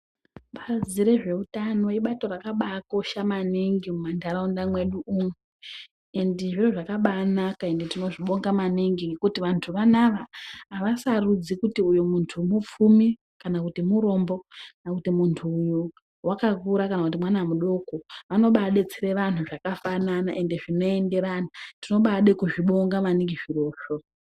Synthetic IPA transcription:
ɓaziɾe̞ʐe̞utano̞iɓato̞rakaɓako̞ʃamaniŋɡimumandaɾaundamwe̞ɗuuŋe | endiʐiroʐakaɓanakae̞ndetino̞ʐiɓo̞ŋɡamaniŋɡiŋɡe̞kutiʋantʰuʋanaʋaɦːʋasarud͡zikutiujomuntʰumup͡fumi | kanakutimuɾo̞mbo̞knakutimuntʰuːju | wakakuɾakanakutimwanamuɗo̞koʋano̞ɓaɗe̞t͡sire̞ʋan̤uʐakafananaʔe̞nde̞ʐino̞e̞nde̞ɾanatino̞ɓaɗe̞kuʐiɓo̞ŋɡamaniŋɡiʐiro̞ːʃo̞

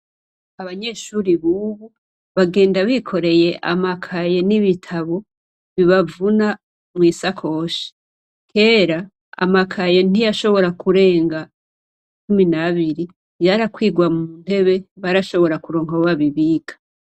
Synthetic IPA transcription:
aβaɲe̞ːʃuːɾiβuβu | βaɡe̞ːndaβikʰo̞ɾe̞je̞ʔa̰makʰaje̞niβitʰaβo̞ | βiβavuna | mŋiːsakʰo̞ʃi̥ | kʰe̞ːɾa | a̰makʰaje̞n̥ijaʃo̞βo̞ɾakuɾe̞ːŋɡa | t͡ʃuminaβiɾi | jaɾakwiːɡwamuun̥e̞βe̞βaɾaʃo̞βo̞ɾakuɾo̞ːŋɡauβaβiβiːkḁ

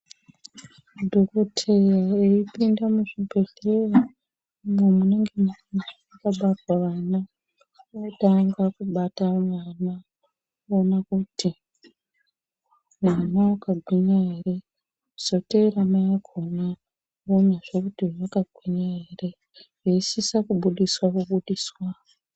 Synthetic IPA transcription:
dʱokotʰe̞jaeipindamuʐibʱe̞ɮera | mwemuneŋɡemana | akaɓatwaʋana | otaŋɡwakuɓatamwana | onakuti | mwaːnawokaɡʱwiɲaeɾe̞ | soteɾamajakʰona | onaʐ̥okutiʐokaɡʱwiɲaeɾe | reisisakuɓuɗiswakuɓuɗiswa

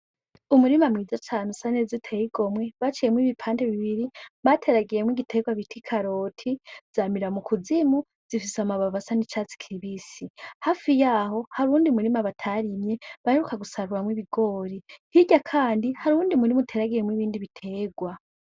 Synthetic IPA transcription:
umuɾimamŋiːzatʰaːnusanezitʰejiɡo̞mwe̞βat͡ʃijemwiβipʰaːnde̞βiβiɾiβatʰe̞ɾaɡiɾe̞mwiɡitʰe̞ːɡwaβitʰikʰaɾo̞ːtʰiz̥amiɾamukʰuzimu | z̥ifisamaβavasanit͡ʃat͡si̥kʰiiβisihafijaːɦo̞haɾuːndiumuɾimaβatʰaɾimje̞βaheɾukaɡusaɾuɾamwiβiɡo̞ːɾihiɟakʰaːndihaɾuːndiumuɾimutʰe̞ɾaɡiɾemwiβiːndiβitʰe̞ːɡwa

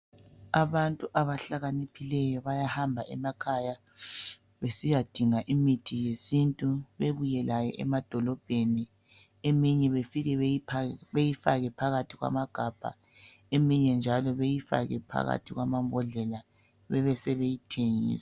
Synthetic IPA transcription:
aβantʼuʔaβaɬaɣanipʰilɛjɔβajahambʱaʔɛmakʰaja | βesijad̥ʱiŋaʔimitʰijesintʼuβeβujɛlajɛ̰ʔɛ̰mad̥ʱɔlɔb̥ʱeni | emiɲɛβefiɣɛ | βejifaɣɛpʰaɣatʰiɣwa̰maɡ̥ʱab̥ʱa̰ | emiɲɛnd͡ʒʱalɔβejifa̰ɣɛ̰pʰa̰ɣa̰tʰiɣwamambʱɔɮɛla | βɛβɛsɛβejitʰeŋḭːsɛ̥

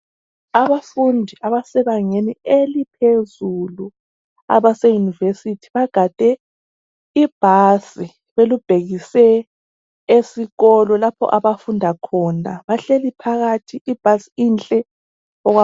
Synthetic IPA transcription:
aβafundʱiaβasɛβaŋenielipʰezulu | a̰βasɛjunivesitʰi̥βaɡ̥ʱad̥ʱʼɛ | ib̥ʱasi | βelub̥ʱeɣisɛ | esiɣɔlɔlapʰɔ̰ʔaβafundʱakʰɔnaβaɬelipʰaɣatʰiʔib̥ʱasiint͡ɬʼɛ | ɔɣwa

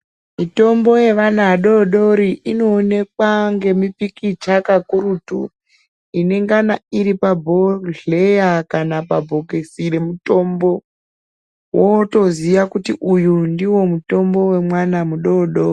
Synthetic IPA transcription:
mito̞mbo̞je̞ʋanaɗo̞ɗo̞ɾiʔino̞ːne̞k̚waŋɡe̞mipikit͡ʃakakuɾutṵ | ine̞ŋɡanaiɾipabʱo̞ɮe̞jakanapabʱo̞kesiɾe̞muto̞mbo̞ | woto̞ziʋakutiʔujundiwo̞muto̞mbo̞we̞mwanamuɗoɗo

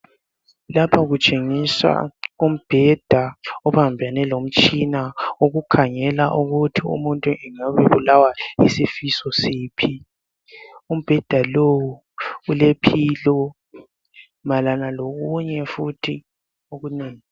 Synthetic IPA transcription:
lapʰaɣut͡ʃʼeŋisa̰um̩b̥ʱɛd̥ʱaɔβambʱanɛlom̩t͡ʃʼinaoɣukʰaŋɛlaʔuɣutʰiṵmuntʼuʔɛŋaβeβulawaisifisɔsiːpʰi | um̩b̥ʱɛd̥ʱalowu | ulepʰilɔ | malanaloɣuɲɛfutʰi | oɣuneːŋi

